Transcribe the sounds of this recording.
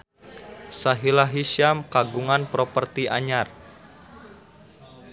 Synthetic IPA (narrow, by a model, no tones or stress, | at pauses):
saɦilaɦisiamkaɡuŋanpɾopərt̪iʔaɲar